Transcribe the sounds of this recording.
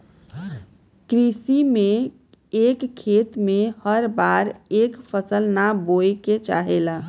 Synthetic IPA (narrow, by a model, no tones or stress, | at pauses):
kɾisime | ekkʰːet̪mehəɾbaɾekpʰəsəlnaboeket͡ʃa̰ɦela